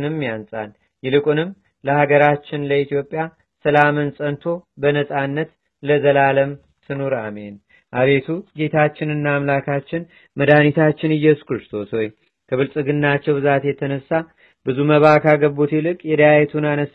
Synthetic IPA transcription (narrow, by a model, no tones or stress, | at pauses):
nɨmːijansʼa̰n | jɪlɨkʼunɨmː | ləhaɡəɾat͡ʃːɪnləit̪ʰjo̞pʼːja | səlamɨnsʼənt̪ʰo̞bənəsʼanːət̪ | ləzəlaləm | t̪ʰɨnoɾame̞n | ʔaβe̞t̪ʰuɡe̞t̪ʰat͡ʃːɪnɨnːaːmlakʰat͡ʃːɪn | məd̪anit̪ʰat͡ʃːɪnɨjːɛsu̥kɾɨst̪ʰo̞sho̞j | kʰəβɨlsʼɨɡɨnːat͡ʃːɛwbɨzat̪jɛt̪ʰənəsːa | bɨzuməβakʰaɡəbut̪jɛlɨkʼjɛd̪əjajɛt̪ʰunanəs